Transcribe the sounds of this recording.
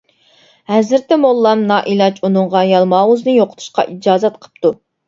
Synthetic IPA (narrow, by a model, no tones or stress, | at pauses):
hɛzɪɾt̪ɪmolˠːɑmnɑːʔilˠɑt͡ʃʰunɨŋʁɑjɑlˠmɑːwuznɨjoqʰət̪ʰu̥ʃqɑ̰ʔid͡ʒɑːzɛt̪̚qʰə̥p̚t̪u